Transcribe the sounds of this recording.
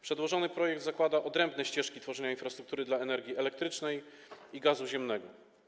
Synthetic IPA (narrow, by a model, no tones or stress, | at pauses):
pʂɛd̪wɔʐɔnɘpɾɔjɛk̚d̪zakwad̪aʔɔd̪ɾɛmbnɛɕt͡ɕɛʂkʲit̪fɔʐɛɲainfɾast̪ɾukt̪uɾɘd̪laɛnɛɾɡʲiɛlɛkt̪ɾɘt͡ʂnɛj | iɡazuʑɛmnɛɡɔ